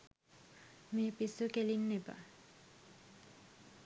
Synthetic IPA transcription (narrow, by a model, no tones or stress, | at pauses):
meːpisukelinːeba̰